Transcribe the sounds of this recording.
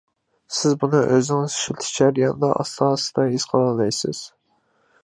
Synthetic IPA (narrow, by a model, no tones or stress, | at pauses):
sɪzbunɨʔøzɪɪŋɪzʃilt̪ʰɪ̥t͡ʃʰæɾjɑnɨd̪ɑ̰ʔɑ̰slɑːsɨ̥d̪ɑɦiz̥qʰɑlˠɑlɑjsɪ̰z̥